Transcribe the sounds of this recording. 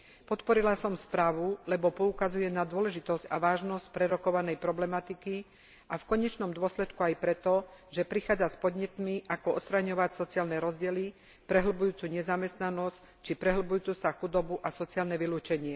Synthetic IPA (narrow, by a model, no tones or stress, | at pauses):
pɔt̪pɔɾilasɔmspɾaːʋulɛbɔpɔukazujɛnad̪ʊɔlɛʒit̪ɔsca̰ʋaːʒnɔsc̚pɾɛɾɔkɔʋanɛjpɾɔblɛmat̪iki | ʔafkɔɲɛt͡ʃnɔmd̪ʊɔslɛt̪kuajpɾɛt̪ɔʒɛpɾixaːd͡zaspɔd̪ɲɛt̪miʔakɔɔtst̪ɾaɲɔʋacsɔt͡siaːlnɛɾɔzɟɪɛli | pɾɛɦl̩bujuːt͡suːɲɛzamɛst̪nanɔsc | t͡ʃipɾɛɦl̩bujuːt͡susaxud̪ɔbuʔasɔt͡siaːlnɛʋiluːt͡ʃɛɲɪɛ